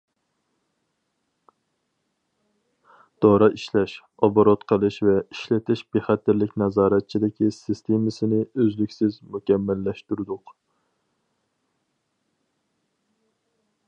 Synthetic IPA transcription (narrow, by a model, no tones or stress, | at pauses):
d̪̥oɾɑʔiʃlɛʃ | ɑboɾot̪qʰəlˠɨʃvɛiʃlɪt̪ʰɪʃbeχæt̪ːɪɾlɪkʲnɛzɑːɾɛt̪̚t͡ʃʰid̪ɪkʲisɪst̪ʰemɪsɪnɪøzlykʲsɪzmukʲɛmːælːɛʃt̪uɾɨd̪ʊq